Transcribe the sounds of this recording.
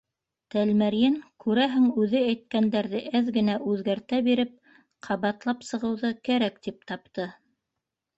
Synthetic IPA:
t̪ælmæɾjɘŋkʉɾæɦɘŋʉðɘæjt̪̚kænd̪æɾðɘʔæðɡɘ̆næʔʉðɡæɾt̪æbiɾɘp̚ | qʰɑβɑt̪lˠɑpsɤ̆ʁɤ̆wðɤkæɾækt̪ip̚t̪ɑp̚t̪ɤ

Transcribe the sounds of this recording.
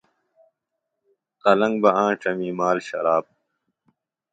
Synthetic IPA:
qɐlɐ̃ŋɡbɐãːʈ͡ʂɐmiːmaːlɕɐ̰ɾaːb̚

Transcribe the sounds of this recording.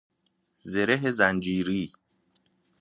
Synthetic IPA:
zeɾeɦezænd͡ʒiːɾiː

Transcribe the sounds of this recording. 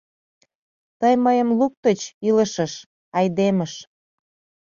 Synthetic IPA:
t̪əjməjəmluk̚t̪ət͡ɕilə̆ʃəʃ | ɑjd̪eməʃ

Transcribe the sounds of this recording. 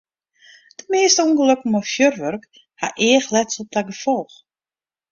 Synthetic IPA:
d̥əmeːstəuŋɡəløkəmɔfjørʋørk | haʔɪəxlɛtsɔp̚dɛɡəfɔlˠx

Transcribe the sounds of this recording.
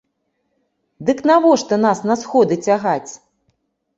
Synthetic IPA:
d̪ɨknavɔʂt̪ɔnasnɐsxɔd̪ɨt͡sʲaɣat͡sʲ

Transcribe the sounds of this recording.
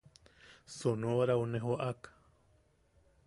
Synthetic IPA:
sonoɾawneɦoʔakḁ

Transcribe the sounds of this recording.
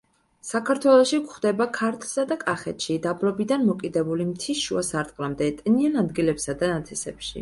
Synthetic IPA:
sakʰaɾt̪ʰwɛlˠɔʃikχd̪ɛbakʰaɾt̪ʰlˠsad̪akʼaχɛ̰t̪ʃid̪abɾɔbid̪anmɔkʼid̪ɛbulimt̪ʰisʃuasaɾt̪ʼqʼlamd̪ɛt̪ʼnianad̪ɡilɛpsad̪anat̪sʰɛsɛ̰pʃḭ

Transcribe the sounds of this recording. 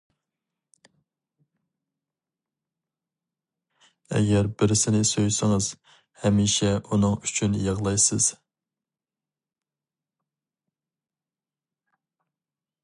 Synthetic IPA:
ɛ̰ɡʲɛɾbɪɾsɪnɪsojsɨŋɨz̥ | hɛmiʃɛʔunɨŋyt͡ʃʰynjɑʁlˠɑjsɨz̥

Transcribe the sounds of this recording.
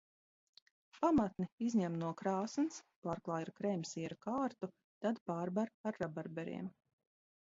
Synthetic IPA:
pamat̪niizɲæmnuɔkɾaːsnspaːɾklˠaːjɾkɾɛjmʲsiɛɾakaːɾt̪u | t̪ad̪paːɾbaɾaɾːabaɾbɛɾḭɛm

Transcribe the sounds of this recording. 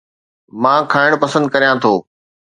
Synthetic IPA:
mãːkʰaːɪɽ̃pɐsə̃nd̪̚kɐɾijãt̪ʰoː

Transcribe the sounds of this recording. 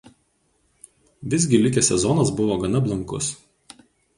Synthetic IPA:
ʋʲɪzʲɡʲɪlʲɪkʲesʲɛzɔnɐsbʊʋoːɡɐnɐblˠɐŋkʊ̰s

